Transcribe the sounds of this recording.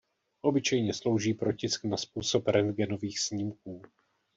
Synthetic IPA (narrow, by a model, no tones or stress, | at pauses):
ʔo̞bɪt͡ʃɛjɲɛslo̞wʒiːpɾo̞cɪsknaspuːsopɾɛnɡɛno̞viːxsɲimk̚uː